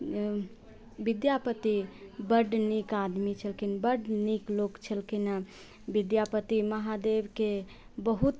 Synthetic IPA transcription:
bid̪japət̪ibəɖnikad̪mit͡ʃʰəlkinbəɖniklokt͡ʃʰəlkina | bid̪japət̪iməɦad̪ebke | bəɦut̪

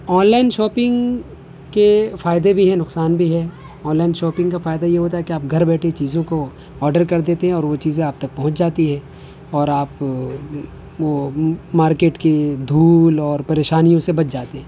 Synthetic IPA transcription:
ɔːnlaːɪnʃɔːpɪ̃ŋɡ | kefaːɪd̪ebʱiɦɛnʊqsaːnbʱiɦɛː | ɔːnlaːɪnʃɔːpɪ̃ŋɡkafaːɪd̪ajeɦoːt̪aɦɛkeaːp̚ɡʱɐɾbɛːʈʰet͡ʃiːzõko | ɔːɾɖəɾkɐɾd̪eːt̪eɦɛ̃ɔːɾʋot͡ʃiːzẽaːb̚t̪ɐk̚pɐɦʊ̃t͡ʃd͡ʒaːt̪iɦɛ̃ː | ɔːɾaːp | ʋomaːɾkeːʈked̪ʱuːlɔːɾpɐɾeːʃaːnijõsebɐt͡ʃd͡ʒaːt̪eɦɛ̃ː

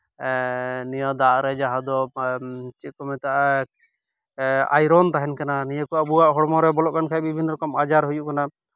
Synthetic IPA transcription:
nijad̪aɾɛd͡ʒaɦad̪ɔ | t͡ʃit̪̚kɔmɛt̪aʔa | a̰jɾɔnt̪aɦɛnkananijakɔaʔbuwaʔɦɔɽmɔɾɛbɔlɔʔkankʰaɛbibʱinɔɾɔkɔmad͡ʒaɾɦujuʔkana

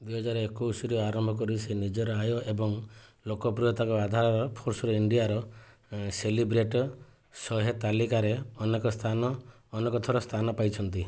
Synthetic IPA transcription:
d̪wuijɦɔd͡ʒaɾɔekɔusɔɾiaɾɔmbʱɔkɔɾisenid͡ʒɔɾɔajɔʔebɔŋlokɔpɾijɔt̪akɔad̪ʱaɾɔɾɔpʰoɾsɔɾɔiɳɖijaɾɔ | selibɾeʈɔ | sɔɦet̪alikaɾeɔnekɔst̪ʰanɔː | nekɔt̪ʰɔɾɔst̪ʰanɔpajt͡ʃʰɔnt̪i

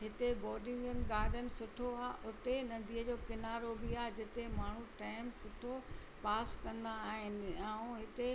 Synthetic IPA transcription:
ɦɪt̪ebɔːɗɪ̃ŋɡʊnɪ̆ɡaːd̪ʱənɪ̆sʊʈʰoaːɦʔʊt̪enɐnd̪ʱiːəd͡ʑoːkɪnaːɾobiaːɦd͡ʑɪt̪emaːɳ̤uʈaːɪmsʊʈʰo | paːskɐ̃nd̪aːɦɪnɪ̆ãũɦɪt̪e

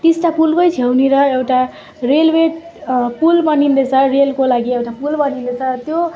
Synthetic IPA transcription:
t̪isʈapulpʌjt͡sʰewneɾʌewʈa | relweʈ | pulbʌnind̪ʌt͡sʰʌrelkolaɡiewʈapulbʌnind̪ʌt͡sʰʌt̪jo

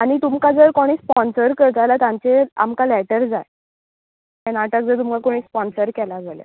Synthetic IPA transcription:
aɽ̃it̪umkad͡zəɾkoɽ̃iːspɔnsəɾkəɾt̪ajlat̪ãɲt͡sea̰mkalɛʈəɾd͡zaj | jɛnaʈak̚d͡zəɾt̪umkakoɽ̃iːspɔnsəɾkɛlad͡zalja̰

